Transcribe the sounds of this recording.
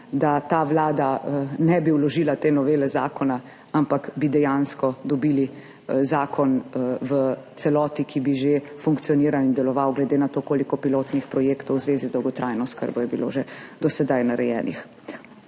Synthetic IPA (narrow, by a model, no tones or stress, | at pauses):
d̪at̪aʋlaːd̪anɛbiwlɔʒiːlat̪eːnɔʋeːlɛza̰ːkɔna | ampakbid̪ɛjanskɔd̪ɔbiːli | zaːkʰɔnʋət̪sɛlɔːt̪ikʰibiʒefuŋkt̪sijɔniːɾawind̪ɛlɔʋawɡlɛd̪enat̪okoːlikɔpiloːt̪nixpɾɔjeːkt̪ɔwzʋeːzizd̪ɔwɡɔt̪ɾʔajnɔskə̰ɾbɔjɛbilo̰ʒed̪ɔsɛd̪ajnaɾɛjɛ̰ːnḭx